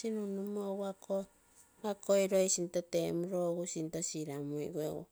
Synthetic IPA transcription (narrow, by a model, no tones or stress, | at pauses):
sinunumowako | akʰoiɾojsint̪otemuɾoɡusint̪osiɾamuḭɡwewo̰